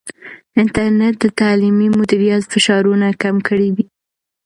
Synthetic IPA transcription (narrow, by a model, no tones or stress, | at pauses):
ɪnt̪aɾnet̪̚d̪ət̪ɑlimimʊd̪iɾijɑt̪fɪʃɑɾunakamkəɽiwi